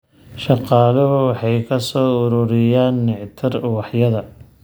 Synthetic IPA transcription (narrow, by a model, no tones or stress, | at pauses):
ʃɑqɑːlɔɦʊwɑħɑjkʰɐsɔːʊɾʊɾɪjaːnːɪʕt̪ʰɐrwɑħjɐðɐ